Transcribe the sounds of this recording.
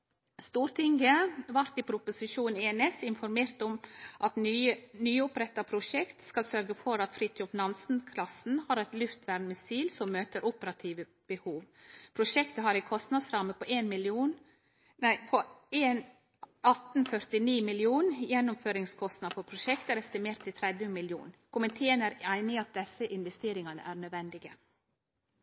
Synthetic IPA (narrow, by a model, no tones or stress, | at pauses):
st̪uːɾt̪ʰɪŋɡəʋɑɾt̪ɪpʰɾʊpʊsɪʃuːnnɛɛnɛsɪnfɔɾmeːɾt̪ɔmʔɑt̪nyːʊpɾɛt̪ːɑpʰɾʊʂɛkt̪skɑsœɾɡəfɔɾɑt̪fɾɪt̪ɔfnɑnsn̩kʰlɑsn̩hɑɾɛt̪lʉft̪ʋæɾnmɛsiːlsɔmmøːt̪əɾʔʊpəɾɑt̪ʰiːʋə | b̥əhuːʋpʰɾʊʃɛkt̪əɦɑɾɪkʰɔst̪nɑd̪sɾɑməpʰɔʔeːnmɪlɪuːn | æɪpʰɔeːn | ɑt̪n̩fœɾt̪ɪniːmɪlɪuːnjɛnːʊmføːɾɪŋskʰɔst̪nɑd̪fɔpʰɾʊʃɛkt̪æɾɛst̪ɪmeːɾt̪ʰːɪlt̪ʰɾɛd̪jəmɪljṵːnkʰʊmənt̪ʰeːənæɾæɪnɪɑt̪̚d̪ɛsəʔɪnʋɛst̪eːɾɪŋɑnə̰ʔæːɾnœd̪ʋɛnd̪ɪɡə